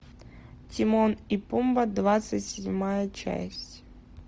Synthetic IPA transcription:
tʲɪmonipumbəd̪vat̪sɨtʲsʲɪdʲmajət͡ɕæ̰sʲtʲ

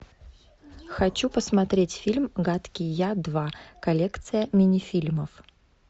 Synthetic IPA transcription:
xɐt͡ɕupəsmɐt̪ɾʲetʲfʲilʲmɡat̪kʲɪjad̪vakɐlʲekt̪sɨjəmʲɪnʲɪfʲilʲməf

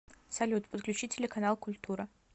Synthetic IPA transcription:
salʲut̪pʼət̪̚klʲut͡ʃitʰʲːelʲekʰanalˠkʊlʲt̪ʰuɾɐ

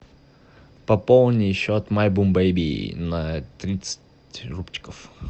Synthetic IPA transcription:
pɐpolˠnʲɪjɪɕːoɐt̪malʲbumbejbʲinɐt̪ɾʲit̪sɨ̥tʲ | rupt͡ɕɪ̥kəf

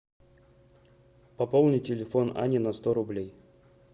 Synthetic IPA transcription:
pɐpolˠnʲɪtʲɪlʲɪfona̰nʲɪnɐst̪oɾʊblʲej

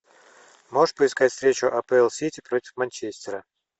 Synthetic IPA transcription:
moʂpəɪskatʲfst̪ɾʲet͡ɕʊʔɐpɛɛlˠsʲitʲɪpɾo̞tʲɪ̥fmɐnʲt͡ɕesʲt̪ʲɪɾə

